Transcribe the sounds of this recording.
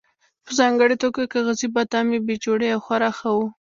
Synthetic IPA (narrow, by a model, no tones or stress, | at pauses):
pəzɑŋɡəɽet̪oɡakaɣazibat̪ɑmebet͡ʃoɽeawxwaɾɑxawu